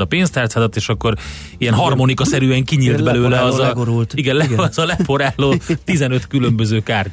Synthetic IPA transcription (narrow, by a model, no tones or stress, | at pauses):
ɒpeːnst̪aːrt̪sazɒt̪eːʃɒkːo̞ɾ | ijɛnɦɒrmonikɒsɛɾyɛŋkiɲiːld̪bɛløːlɛɒzɡoɾult̪iɡɛnlɛɒzɒlɛpʰoɾaːloːt̪izɛnø̞t̪kylømbø̞zøːkaːr